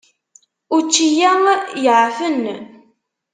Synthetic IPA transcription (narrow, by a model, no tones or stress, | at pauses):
ʊɾt͡ʃːijæmjəʕfən